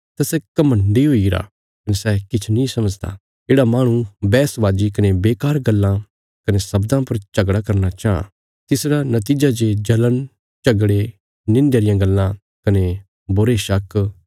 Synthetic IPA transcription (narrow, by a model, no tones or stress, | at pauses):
t̪ɐsɛkɐmə̃ɳɖiɦoːiɾa̰ː | kɐnesɛkɪt͡ʃʰnĩsɐməd͡ʒd̪a̰ | eːɽamaːɽ̃ũbɛːsʋaːd͡ʒikɐnebeːkaːɾɡɐlːã | kɐnesɐbd̪ãpɐɾt͡ʃɐɡɽakɐɾnat͡ʃaã̰ | t̪ɪsɾanɐt̪iːd͡ʒad͡ʒed͡ʒɐlən | t͡ʃɐɡɽe | nɪ̃nɖjaɾɪjãɡɐlːã | kɐne | bʊɾeʃɐk